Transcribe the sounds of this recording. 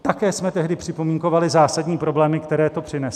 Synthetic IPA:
t̪akɛːsmɛt̪ɛɦdɪpr̥ɪpo̞miːŋko̞valɪzaːsadɲiːpɾo̞blɛːmɪkt̪ɛɾɛːt̪o̞pr̥ɪnɛs

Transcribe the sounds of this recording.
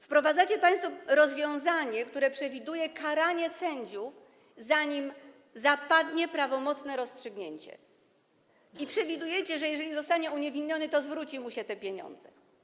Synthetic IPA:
fpɾɔvad̪zat͡ɕɛpaj̃st̪fuɾɔzvʲjɔ̃w̃zaɲɛkt̪uɾɛpʂɛvʲid̪ujɛkʰaɾaɲɛsɛɲd͡ʑuf | zaɲim | zapad̪ɲɛpɾavɔmɔt̪snɛɾɔstʂɘɡɲeɲt͡ɕɛ̰ | ipʂɛvʲid̪ujɛt͡ɕɛʐɛjɛʐɛlʲizɔst̪aɲɛuɲɛvʲiɲːɔnɘt̪ɔzvɾut͡ɕimuɕɛt̪ɛpʲjeɲɔ̰nd̪zɛ

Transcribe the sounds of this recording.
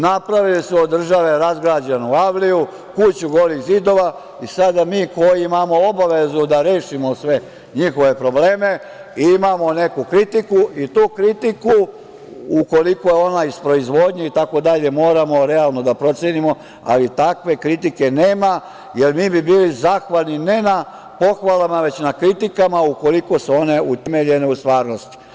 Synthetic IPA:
napɾaʋilismod̪ːr̩ʒaʋe̞ɾazɡɾaːd͡ʑenuaʋliju | kut͡ɕuɡo̞ɾiɣzid̪o̞ʋa | isad̪amiːko̞jiimamo̞o̞baʋe̞zud̪aɾe̞ːʃimo̞sʋe̞ | ɲixo̞ʋe̞pɾo̞bleːme̞ | imamo̞ne̞kukɾit̪ikuʔit̪uːkɾit̪iku | uko̞likojeo̞naispɾo̞izʋo̞ːd̪ɲeit̪ako̞d̪aʎe̞mo̞ːɾamo̞ɾealˠno̞d̪apɾo̞t̪sjenimo̞ | a̰lit̪akʋe̞kɾit̪ike̞neːma | je̞ɾmiːbibiːlizaːxʋalnine̞na | po̞xʋalamaʋe̞t͡ɕnakɾit̪ikamauko̞likosuo̞ne̞ut̪emeʎe̞ne̞ust̪ʋaːɾno̞st̪i̥

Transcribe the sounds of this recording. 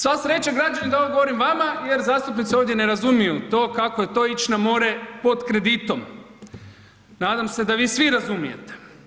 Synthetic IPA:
sʋasɾe̞t͡ʃaɡɾad͡ʒanid̪aoɡoʋo̞ɾimʋamaje̞ɾzaːst̪upnit̪sioːʋd̪ʲje̞ne̞ɾazumijut̪o̞ːkako̞je̞t̪o̞it͡ʃnamo̞ɾe̞po̞d̪kɾe̞d̪it̪o̞m | naːd̪amse̞d̪aʋiːsʋiɾazumije̞̰t̪e̥

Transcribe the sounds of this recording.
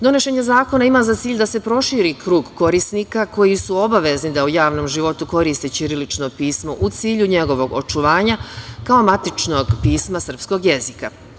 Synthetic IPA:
d̪o̞neʃe̞ɲazaːko̞naimaːzat̪siːʎd̪ase̞pɾo̞ʃiːɾikɾuːɡko̞ɾisniːkako̞jisuo̞baʋe̞znid̪aujaːʋno̞ːmʒiʋo̞t̪uko̞ɾiːst̪et͡ɕiɾilit͡ʃno̞piːsmo̞ʔut̪siːʎuɲe̞ɡo̞ʋo̞ɡo̞̰t͡ʃuʋaːɲakao̞mat̪it͡ʃnoɡpiːsmasər̩psko̞ɡje̞zika

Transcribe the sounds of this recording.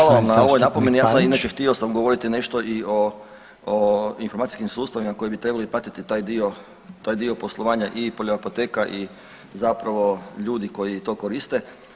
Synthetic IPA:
alaʋamnao̞ʋojnapomje̞njaːsaminat͡ɕext̪iosamɡoʋo̞ɾit̪ine̞ʃt̪o̞ʔio | infoɾmat̪i̥skimsuːst̪aʋimako̞jebit̪ɾe̞balipɾat̪it̪it̪aːjd̪io | t̪aːjd̪io̞po̞slˠoʋaːɲaʔipoʎoapot̪eːkaʔi | zapɾaʋo̞ʎuːd̪iko̞jit̪o̞ːko̞ɾist̪e

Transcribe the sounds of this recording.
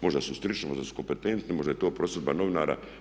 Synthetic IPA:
mo̞ʒd̪asust̪ɾit͡ʃemoʒd̪asu̥ko̞mpet̪ent̪nimo̞ʒd̪ajet̪oːpɾosed̪banoʋinaːɾa̰

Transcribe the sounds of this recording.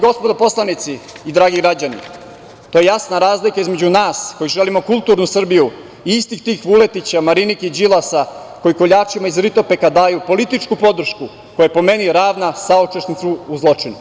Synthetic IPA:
ɡo̞spod̪apo̞slˠanit̪siː | d̪ɾaːɡiɡɾad͡ʑanḭ | t̪ojejasnaɾaːzlikaizme̞d͡ʑunaːsko̞jiʒe̞limo̞kulˠt̪uɾnusr̩biju | iist̪ixt̪iːxʋule̞t̪it͡ɕamaɾiniked͡ʑilˠasa | ko̞jikoʎaːt͡ʃimaizɾit̪o̞pe̞kad̪aːjupo̞lit̪it͡ʃkupo̞d̪r̩ʃku | kojepo̞me̞niɾaːʋnasaot͡ʃeʃnit̪suːzlˠo̞t͡ʂinu

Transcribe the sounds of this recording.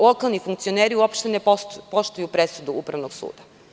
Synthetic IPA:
lˠo̞kalˠnifuŋkt̪sio̞neːɾiuopʃt̪enepopo̞ʃt̪ujupɾe̞sud̪uupɾaʋnoɡsṵːd̪a

